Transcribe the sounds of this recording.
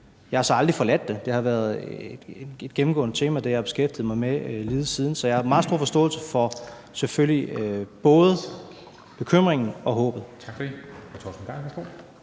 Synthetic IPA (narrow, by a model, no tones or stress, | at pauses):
jɑhɑ̈sɒ̽ɑ̈ld̥ʁifɒ̽læd̥ːe̝d̥e̝hɑ̈ʋæɐð̥ˠ | e̝d̥̚ɡ̥em̩ɡ̥ɔ̰̽ːnət͡sʰe̝̰ːmæd̥æjab̥e̝sɡ̥efd̥ið̩ˠmɑ̈ɪmeliːð̩ˠsiːð̞ˠn̩sɒ̽jɑ̈hɑ̈mɑ̈ːð̩ˠsdo̝ɐfɒsd̥ɔ̰̽ːlsəfɒ̽ | seføljiøb̥ɔ̽ːð̞ˠ | b̥e̝kʰøm̰ʁeŋn̩ɒ̽ɦɔ̰ːb̥ð̩ˠt͡sʰɡ̥fet͡sʰɒ̰sn̩ɑɡ̥o̰